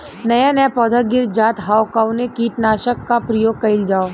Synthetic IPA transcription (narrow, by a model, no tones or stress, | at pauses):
nɐjanɐjapɔːd̪ʱəɡɪɾd͡ʒaːt̪ɦaːokaʊnekiʈnaːʃəkːapɾɐjoːɡ̚kɐɪld͡ʒaːo